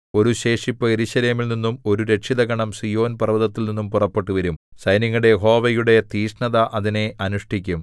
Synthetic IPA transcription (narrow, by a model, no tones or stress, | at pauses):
o̞ɾuɕe̞ːʂipːɐeɾuɕɐleːmilninːumo̞ɾuɾe̞kʂiðɐɡɐɳɐmsijo̞ːnpɐrɐʋɐðɐt̪ːilninːumpurɐpːe̞ʈːuʋɐɾumsɐjniŋːɐɽejeɦo̞ːʋɐjuɽe̞t̪iːʂɳɐðɐʔɐðine̞ʔɐnuʂʈʰikʲːum